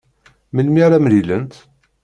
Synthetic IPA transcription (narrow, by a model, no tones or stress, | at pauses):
məlmiɾæmlilənt̪